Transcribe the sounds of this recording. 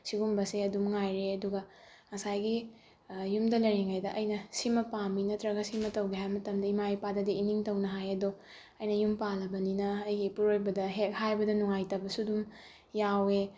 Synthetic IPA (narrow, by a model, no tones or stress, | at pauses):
siɡumbɐseɐdumŋajɾeɐduɡɐ | ŋɐsajɡi | jumdɐlɐɾiŋajdɐʔɐjnɐsimɐpaminɐtɾɐɡɐsimɐtɐwɡeɦajmɐtɐmdɐimajpadɐdiiniŋtɐwnɐɦajɐdo | ɐjnɐjumpalɐbɐninɐːjɡipuɾojbɐdɐɦek̚hajbɐdɐnuŋajtɐbɐsudum | jawe